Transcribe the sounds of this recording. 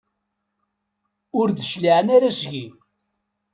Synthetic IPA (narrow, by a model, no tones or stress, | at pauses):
ʊɾd̪əʃliʕnaɾæʃʝi